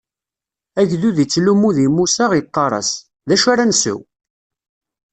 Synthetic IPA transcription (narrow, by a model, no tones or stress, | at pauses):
æʝðuðit͡sːlumuðimusaʁjt̪ˤːɑɾˤɑ̰s | ðæʃaɾænsə̰w